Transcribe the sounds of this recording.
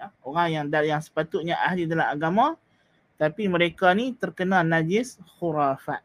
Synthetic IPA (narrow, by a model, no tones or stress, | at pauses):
oɾaŋjaŋdajaŋsə̥pat̪ʊt̪̚ɲaʔaɦlidalamaɡamã | t̪apiməɾekanit̪ərkənãnad͡ʒɪsxuɾafa̰ʔ̪̚